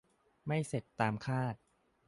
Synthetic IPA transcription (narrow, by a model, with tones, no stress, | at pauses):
ma˥˩jse˨˩t̪ːaː˧mkʰaː˥˩t̪̚